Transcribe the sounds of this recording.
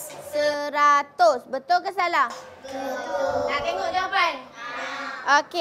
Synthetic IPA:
səɾat̪osbət̪ulkəsala | akeŋod͡ʒapan | oke

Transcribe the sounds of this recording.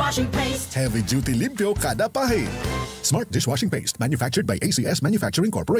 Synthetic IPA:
hɛvid͡ʒut̪ilĩmpjokad̪apaɦinsmaɹt̪̚d̪ɪʃwaʃɪ̃ŋpestmæ̃njʊfæk̚t͡ʃʊɹd̪̚bajʔesiʔɛsmæ̃njʊfæk̚t͡ʃʊɹɪ̃ŋkɔ̰ɹpɔɹe

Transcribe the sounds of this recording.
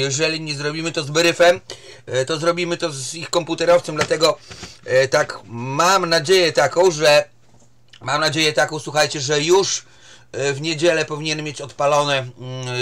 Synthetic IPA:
jɛʐɛlʲiɲɛzɾɔbʲimɘt̪ɔzbɘɾɘfɛmt̪ɔzɾɔbʲimɘt̪ɔzixkɔmput̪ɛɾɔft̪sɔmd̪lat̪ɛɡɔ | t̪akmamnad͡ʑejɛt̪akɔ̃w̃ʐɛ | mamnad͡ʑejɛt̪akɔ̃w̃swuxajt͡ɕɛʐɛjuʂ | vɲed͡ʑelɛpɔvʲiɲɛnmʲjet͡ɕɔt̪palɔnɛ

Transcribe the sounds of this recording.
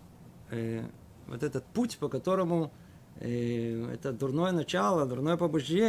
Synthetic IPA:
vo̰t̪ɛt̪ət̪̚putʲpɐkɐt̪oɾəmʊ | ɛ̰t̪əd̪ʊrnojənɐt͡ɕalˠɐd̪ʊrnojəpɐbʊʐdʲe

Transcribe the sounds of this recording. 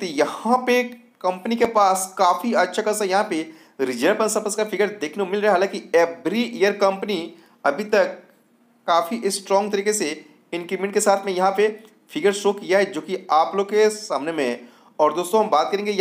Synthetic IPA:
t̪ojɐhãpe | kɐ̃mpnikepaːskaːfiɐtːʃʰakɐsajɐɦãpe | ɾɪd͡ʒəɾpɐ̃nsɐpəskafʰɪɡəɾd̪eːkʰnekomɪlɾɐɦeɦaːlãːkiɛːbɾiʔeːjəɾkɐ̃mpni | ɐbʱit̪ɐkː | aːfiʔɪsːʈɾɔ̃ːŋɡt̪ɐɾiːkese | ɪ̃nkɾimẽɳʈkesaːt̪ʰmẽjɐɦãpe | fʰɪɡəɾsʃoːkijaɦɛd͡ʒoːkiaːploːɡkesaːmnemẽɦɛ | ɔːɾd̪oːst̪õɦɐ̃mbaːt̪̚kɐɾẽːŋɡej

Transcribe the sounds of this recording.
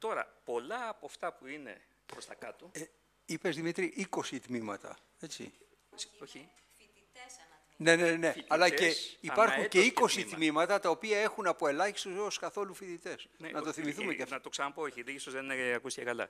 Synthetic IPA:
t̪o̞ɾɐ̰po̞lɐːpoft̪ɐpuine̞̰ | pɾost̪ɐkɐt̪o | ipe̞zðimit̪ɾiʔiko̞sit̪mimɐ̰t̪ɐ̰ | e̞t͡sḭ | o | ne̞nene̞t̪ɐlɐe̞ipɐɾxxuɲce̞iko̞sit̪mimɐt̪ɐt̪ɐo̞piɐe̞xunɐpo̞e̞lɐçi̥st̪ozoskɐθo̞lufit̪it̪e̞snnɐt̪o̞θimiθumeenɐt̪oksɐnɐpooçiliist̪ozðeneɐkusi̥cekɐlɐ̰

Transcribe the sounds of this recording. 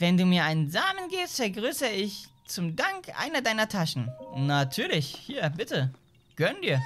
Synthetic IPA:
vɛnduːmiːɐʔaɪnənzaːmənɡeːstfɛɐɡʁyːsəɪç | t͡sʊmdaŋkʔa̰ɪnɐdaɪnɐtʰaʃn̩natʰyːɐlɪçhiːɐbɪtə | ɡ̥œndiːɐ

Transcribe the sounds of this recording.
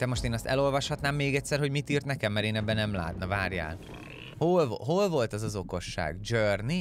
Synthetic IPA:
d̪̥ɛmo̞ʃt̪eːnɒst̪ɛ̰lo̞lvɒʃhɒt̪naːmːeːɡɛtʲsɛrho̞ɟmit̪iːrt̪nɛkɛmːɛɾeːnɛbːɛnɛmla̰ːt̪nɒvaːrja̰ːl | holɦolvo̞lt̪ɒzɒzo̞ko̞ʃːa̰ːɡd͡ʒørni

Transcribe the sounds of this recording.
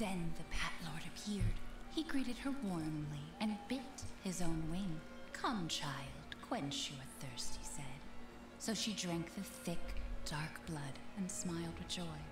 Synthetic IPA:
ðɨ̃nðɨpʰætˡlɔɹɾɨpʰɪɹd̥iɡɹiɾɨd̚ə˞wɔɹmliɨ̃nbɪthɪzõʊ̃nwɪ̃ŋ | kʰʌ̃mt͡ʃʰaɪlˠd̥kʰw̥ɛ̃nt͡ʃjɨɨt̪̚θɜ˞st̚hisɛd̥ | soʊʃidɹæ̃ŋk̚θɨ̥θɪkd̥ɑɹkb̥lʌɾɨ̃nsmaɪlˠd̚wɨðd͡ʒɔɪ

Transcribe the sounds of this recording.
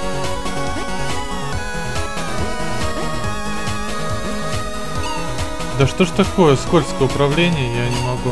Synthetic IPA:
d̪ɐʂt̪oʐt̪ɐko̞jəskolʲskəjʊpɾɐvlʲenʲɪjəjanʲɪmɐɡu

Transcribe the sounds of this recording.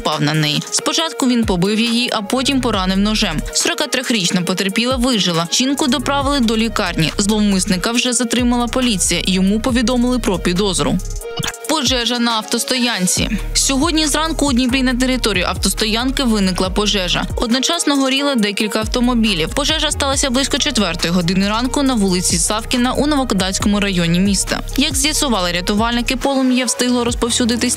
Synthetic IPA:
pɑwnɐnɛjispɔt͡ʃɑt̪̚kʊʋʲinpɔbɪwjijiʔɐpɔtʲimpɔɾɑnɪwnɔʒɛmsɔɾɔkɑt̪ɾʲɔxɾʲit͡ʃnɐpɔt̪erpʲilˠɐʋɪʒɪlˠɐt͡ʃinkʊd̪ɔpɾɑʋɪlˠɪd̪ɔlʲikɑrnʲḭzlˠɔwmɪsnɪkɐwʒɛzɐt̪ɾɪmɐlˠɐpɔlʲit͡sʲijɐjɔmupɔʋʲid̪ɔmɪlˠɪpɾɔpʲid̪ɔzɔɾʊ̰ | pɔʒɛʒɐnɐːwt̪ɔst̪ɔjɑnʲt͡sʲḭsʲɔɦɔdʲnʲizrɑnkʊːd̪ʲnʲipɾʲijnɐt̪̬eɾɪt̪ɔɾʲijʊ̰ʔɐwt̪ɔst̪ɔjɑnkɪʋɪnɪklˠɐpɔʒɛʒɐ̰ɔd̪nɔt͡ʃɑsnɔɦɔɾʲilˠɐd̪ɛkʲilʲkɐːwt̪ɔmɔbʲilʲiwpɔʒɛʒɐst̪ɑlˠɐsʲɐblˠɪsʲkɔt͡ʃet̪ʋɛrt̪ɔjʊɦɔd̪ɪnɪɾɑnkʊnɐʋulˠɪt͡sʲisɑwkʲɪnɐʔunɔʋɔkɔd̪ɑsʲkɔmʊɾɐjɔnʲimʲist̪ɐ̰jɐɡzʲjɐsʊʋɑlˠɪɾʲɐt̪ʊʋɑlʲnɪkɪpɔlˠɔmʲjɛwst̪ɪɦlˠɔɾɔspɔwsʲud̪ɪt̪ɪsʲ

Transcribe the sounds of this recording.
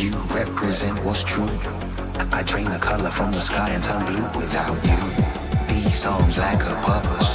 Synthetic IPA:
jɨ | ɹɛpʰɹɨzɛ̃nʔwʌz̥tʰɹ̥u | ʔaɪtʰɹ̥ẽɪ̃nɨkʰʌlˠə˞fɹʌ̃mðəskaɪɨ̃ntʰʌ̃nbluwɪðaʊt͡ʃɨ | ði̥sɔ̃ŋzlaɪkə˞pʰɜ˞pəs

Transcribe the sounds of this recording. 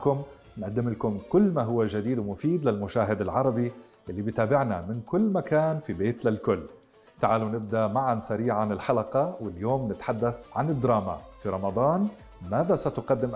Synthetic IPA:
kʊm | nʔad̪ːɪmɪlkʊmkʊlːmaɦʊwːaʒad̪iːd̪wmʊfiːd̪lɪlmʊʃaːɦɪd̪ɪlʕɑɾˤɑbi | ʔɪlːibit̪aːbɪʕna̰mɪnkʊlːmakaːnfibeːt̪lɪlkʊlː | t̪aʕaːlunɪb̚d̪aʔmaʕansaɾiːʕanɪlħalɑqɑwɪljoːmnɪt̪ħad̪ːaθʕanɪd̪ːɾˤɑːma̰fiɾˤɑmɑd̪ˤɑːn | maːðasat̪ʊqɑd̪ːɪm

